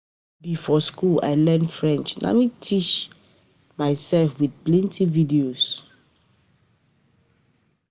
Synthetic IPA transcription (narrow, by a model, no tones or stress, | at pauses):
bifɔskula̰ɪlɛ̃ndfɹɛ̃nt͡ʃnʔa̰mitʰit͡ʃ | maɪsɛlfwiθplɛ̃ntʰividios